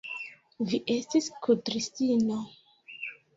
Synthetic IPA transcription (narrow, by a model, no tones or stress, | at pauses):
viʔe̞stiskʰutɾistino